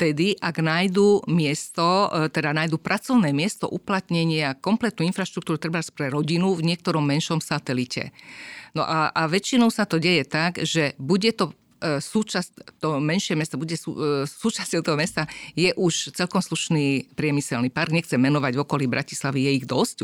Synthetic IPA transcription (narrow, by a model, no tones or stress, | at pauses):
t̪ɛd̪iʔaɡnaːjd̪umɪɛst̪ɔt̪ɛd̪anajd̪upɾʔat͡sɔʊnɛːmɪɛst̪ɔ̰ʔuplat̪ɲɛɲɪakɔmplɛt̪nuːinfɾaʃt̪ɾuk̚t̪uːɾut̪ɾɛbaspɾɛɾɔɟinuvɲɪɛk̚t̪ɔɾɔmːɛnʃɔmsat̪ɛlicɛ̰nɔ̰ʔaʔaʋɛt͡ʃinɔʊsat̪ɔɟɛjɛt̪aɡʒɛbuɟɛt̪ɔ | suːt͡ʃast̪ɔmɛnʃɪɛmɛst̪ɔbuɟɛsṵsuːt͡ʃascɔʊt̪ɔɦɔmɛst̪ajɛʔuʃt͡sɛlkɔmsluʃniːpɾɪɛmisɛlnipaɾɡɲɛxt͡sɛmɛnɔʋaɟvɔkɔliːbɾʔaci̥slaʋijɛiɣd̪ɔsc